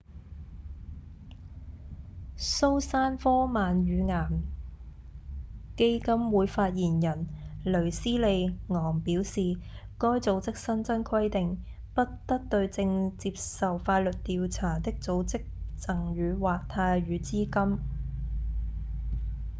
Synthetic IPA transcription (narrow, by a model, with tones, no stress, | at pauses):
so˥wsaː˥nfɔː˥maː˨˧nɥyː˨˧ŋaː˨˩m | ke˥jkɐ˥mwuː˨˧jfaː˧t̚jiː˨˩njɐ˨˩nlɵ˨˩ɥsiː˥le˨˧jŋɔː˨˩ŋpiː˨˥wsiː˨ | kɔː˥jt͡so˨˥wt͡sɪ˥k̚sɐ˥nt͡sɐ˥nkʰwɐ˥jt̪ɪ˨ŋ | pɐ˥t̚t̪ɐ˥k̚t̪ɵ˧ɥt͡sɪ˧ŋt͡siː˧p̚sɐ˨wfaː˧t̚lɵ˨t̚t̪iː˨wt͡sʰaː˨˩t̪ɪ˥k̚t͡so˨˧wt͡sɪ˥k̚t͡sɐ˨˩ŋɥyː˨˧waː˨k̚t̪ʰaː˧jɥyː˨˧t͡siː˥kɐ˥m